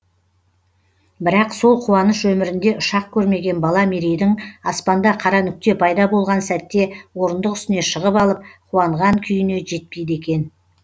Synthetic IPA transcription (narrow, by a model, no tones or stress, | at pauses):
bɪɾɑqso̞lˠqʰuwɑnəʃɵmɪɾɪnd̪e̞ʔʊʃɑq̚kʲʰɵɾme̞ɡʲe̞nbɑlˠɑmeɾejd̪ɪŋɑspɑnd̪ɑqʰɑɾɑnʏk̚t̪e̞pʰɑjd̪ɑbo̞lˠʁɑnsæt̪ːe̞wo̞ɾənd̪əqʏst̪ɪne̞ʃəʁəpɑlˠəp̚qʰuɑɴʁɑŋkʲʰʏjɪne̞ʒe̞t̪̚pejd̪e̞kʲe̞n